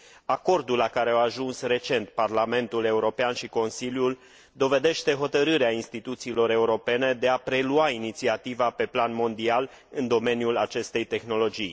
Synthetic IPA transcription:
ako̞rd̪ulːakaɾe̞awaʒunsre̞t͡ʃe̞nt̪̚parlame̞nt̪ule̞uɾo̞peanʃiko̞nsiljul | d̪o̞ve̞d̪e̞ʃt̪e̞ɦo̞t̪əɾɨɾeainst̪it̪ut̪siːlo̞ɾe̞uɾo̞pe̞ne̞d̪e̞apɾe̞luainit̪siat̪ivape̞planmo̞nd̪ial | ɨnd̪o̞me̞njulat͡ʃe̞st̪e̞jt̪e̞xno̞lo̞d͡ʒij

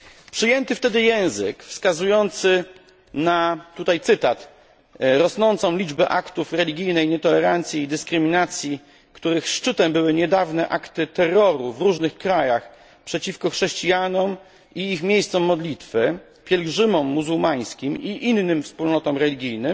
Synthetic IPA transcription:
pʂɘjɛnt̪ɘft̪ɛd̪ɘjɛ̃w̃zɘ̰kfskazujɔnt̪sɘ | nat̪ut̪ajt̪sɘt̪at̪ | ɾɔsnɔnt̪sɔ̃w̃lʲid͡ʐbɛʔakt̪ufɾɛlʲiɡʲijnɛjɲɛt̪ɔlɛɾant̪sʲjiːd̪ɘskɾɘmʲinat̪sʲji | kt̪uɾɘxʂt͡ʂɘt̪ɛmbɘwɘɲɛd̪avnɛʔakt̪ɘt̪ɛrːɔɾuvɾuʐnɘxkɾajax | pʂɛt͡ɕifkɔxʂɛɕt͡ɕijanɔm | iixmʲjejst̪sɔmːɔd̪lʲit̪fɘ | pʲjɛlɡʐɘmɔmːuzuwmaj̃skʲimiʔinːɘmfspulnɔt̪ɔmɾɛlʲiɡʲijnɘm

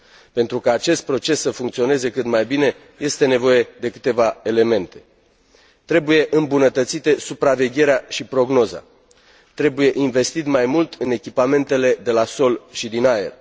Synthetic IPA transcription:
pe̞nt̪ɾukaːt͡ʃe̞st̪̚pɾo̞t͡ʃe̞sːəfuŋkt̪sio̞ne̞ze̞kɨt̪majbine̞ | je̞st̪e̞ne̞vo̞je̞d̪e̞kɨ̥t̪e̞vae̞le̞me̞nt̪e̞̥ | t̪ɾe̞buje̞ʔɨmbunət̪ət̪sit̪e̞supɾave̞ɡʲe̞ɾeaʃipɾo̞ɡno̞za̰ | t̪ɾe̞buje̞ʔinve̞st̪it̪majmult̪ʰɨne̞kʲipame̞nt̪e̞le̞d̪e̞laso̞lʃid̪inaḛr

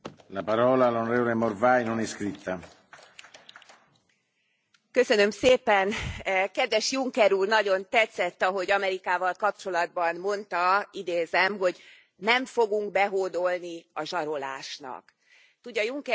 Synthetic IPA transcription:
lapaɾɔːlaːlːonoɾeːvolemorvajnonɛskɾit̪ːa | kø̞sø̞nø̞mseːpɛnkɛd̪ʋɛʃjuŋkɛɾuːrnɒɟo̞nt̪ɛt̪sɛt̪ːɒɦo̞ɟɒmɛɾikaːvɒlkɒp̚t͡ʃo̞lɒd̪̚bɒnmo̞nt̪ɒid̪eːzɛmɦo̞ɟ | nɛɱfo̞ɡuŋkbɛɦoːd̪o̞lniɒʒɒɾo̞la̰ːʃnɒ̰k | t̪uɟːɒjuŋkɛ

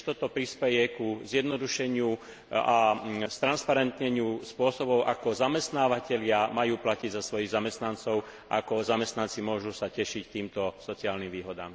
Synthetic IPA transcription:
t̪ɔt̪ɔpɾispɛjɛkuzjɛd̪nɔd̪uʃɛɲɪu | ast̪ɾanspaɾɛnt̪ɲɛɲɪuspʊɔsɔbɔʊʔakɔzamɛst̪naːʋacɛʎɪamajuːplaciɟzasʋɔjiɣzamɛst̪nant͡sɔʊ | akɔzamɛst̪nant͡simʊɔʒusacɛʃict̪iːmt̪ɔsɔt͡siaːlnimʋiːɦɔd̪a̰ːm

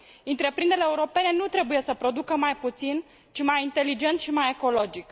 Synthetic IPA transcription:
ɨnt̪ɾe̞pɾind̪eleːuɾo̞pe̞ne̞nut̪ɾe̞buje̞səpɾo̞d̪ukəmajput̪sin | t͡ʃimajint̪e̞lid͡ʒe̞nt̪ʃimaje̞ko̞lo̞d͡ʒik

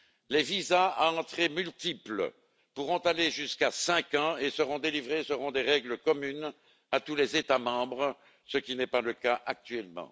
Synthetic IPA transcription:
levizaaɑ̃t̪χemylt̪iplə̰ | puʁɔ̃t̪aleʒyskasɛ̃kɑ̃esəʁɔ̃d̪elivʁesəʁɔ̃d̪eʁɛɡləkɔmyn | at̪ulezet̪amɑ̃bʁə | səkʲinɛpaləkaʔak̚t̪ɥɛlmɑ̰̃

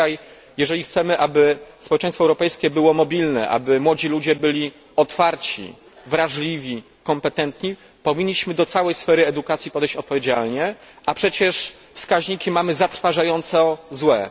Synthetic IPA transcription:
aj | jɛʐɛlʲixt̪sɛmɘʔabɘspɔwɛt͡ʂɛ̃j̃st̪fɔɛwɾɔpɛjskʲɛbɘwɔmɔbʲilnɛ̰ʔa̰bɘmwɔd͡ʑilud͡ʑɛbɘlʲi | ɔt̪faɾt͡ɕḭ | vɾaʐlʲivʲi | kɔmpɛt̪ɛnt̪ɲi | pɔvʲiɲːiɕmɘd̪ɔt̪sawɛjsfɛɾɘɛd̪ukat̪sʲjipɔd̪ɛjɕt͡ɕɔt̪̚pɔvʲjed͡ʑalɲɛ | ʔapʂɛt͡ɕɛʂfskaʑɲikʲimamɘzat̪ɾfaʐajɔnt̪sɔzwɛ

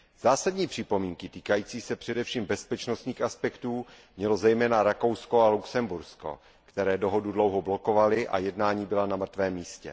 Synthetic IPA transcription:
z̥aːsadɲiːpr̥ɪpo̞miːŋkɪt̪iːkajiːt͡siːsɛpr̥ɛdɛfʃiːmbɛspɛt͡ʃnost̪ɲiːxaspɛkt̪uː | mɲɛlo̞zɛjmɛːnaɾako̞wsko̞aluksɛmbuɾsko̞̰ | kt̪ɛɾɛːdo̞ɦo̞dudlowɦo̞blo̞ko̞valɪʔa̰jɛdnaːɲiːbɪlanamr̩t̪vɛːmːiːscɛ̰

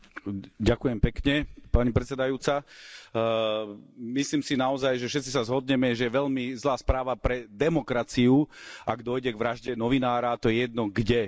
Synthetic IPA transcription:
ɟakujɛmpɛkɲɛpaɲipɾɛt̪t͡sɛd̪ajuːt͡sa | misliːmsinaɔzajʒɛfʃɛt̪t͡sisazɦɔd̪ɲɛmɛʒɛjɛʋɛʎmizlaːspɾaːʋapɾɛd̪ɛmɔkɾat͡siuʔaɡd̪ɔjɟɛɡʋɾaʒɟɛnɔʋinaːɾat̪ɔjɛjɛd̪̚nɔɡɟɛ

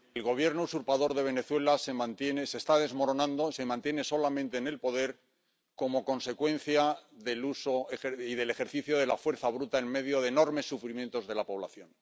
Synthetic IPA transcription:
elɣo̞β̞je̞ɾnousuɾpaðo̞ɾðe̞β̞e̞ne̞θwe̞lase̞mãnt̪jenese̞ːst̪aðe̞zmo̞ɾo̞nãnd̪ose̞mãnt̪je̞ne̞so̞lamẽnt̪eːne̞lpo̞ðe̞ɾ | ko̞mo̞ko̞nse̞kwẽ̞n̟θjaðe̞luso̞exeiðe̞le̞xe̞ɾθiθjo̞ð̞e̞lafwe̞ɾθaβ̞ɾut̪aenme̞ðjo̞ðeno̞ɾme̞sːufɾimje̞nt̪o̞zðe̞lapo̞β̞la̰θjo̞n

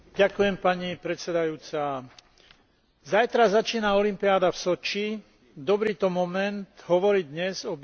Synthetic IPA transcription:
ɟakujɛmpaɲipɾɛt̪t͡sɛd̪ajuːt͡sa | zajt̪ɾazat͡ʃiːnaɔlimpiaːd̪afsɔt͡ʃi | d̪ɔbɾiːt̪ɔmɔmɛnd̪ɦɔʋɔɾid̪ɲɛzɔb

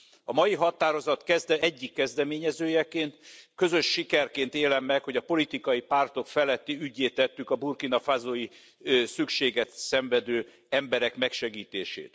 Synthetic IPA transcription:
ɒmɒjiɦɒt̪aːɾo̞zɒt̪kɛzd̪ɛɛɟːikːɛzd̪ɛmeːɲɛzøːjɛkeːnt̪kø̞zø̞ʃːikɛrkeːnt̪eːlɛmːɛkho̞ɟɒpo̞lit̪ikɒjipaːrt̪o̞kfɛlɛt̪ːiyɟːeːt̪ːɛt̪ːykɒburkinɒfazoji | sykʃeːɡɛt̪sɛɱvɛd̪øː | ɛmbɛɾɛkmɛkʃɛɡiːt̪eːʃḛːt̪

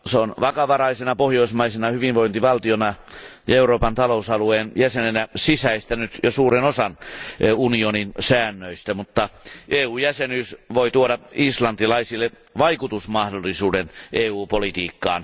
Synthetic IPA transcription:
seonʋɑkɑʋɑrɑisenɑpohjoismɑisenɑhyʋinʋoint̪iʋɑlt̪ionɑjɑeuroːpɑnt̪ɑlousɑlueːnjæsenenæsisæist̪ænyt̪josuːɾenosɑnunioninsæːnːøist̪æmut̪ːɑʔeːuːjæsenyːsʋoit̪uodɑislɑnt̪ilɑisilːe | ʋɑikut̪usmɑhdolːˑisuːdeneːuːpolit̪iːkːɑ̰ːn

